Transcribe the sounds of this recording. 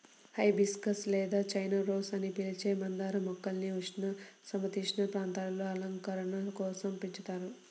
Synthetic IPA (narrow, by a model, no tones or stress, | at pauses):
hɐjbiskɐslɛːd̪aːt͡ʃɐjnɐɾɔːsɐnipilit͡ʃeːmɐnd̪aːɾɐmɔkːɐlniuʂnɐsɐmɐt̪iʂnɐpɾaːnt̪aːlɐloːɐlɐŋkɐɾɐɳɐlɐkɔːsɐmpiɲt͡ʃut̪aːɾu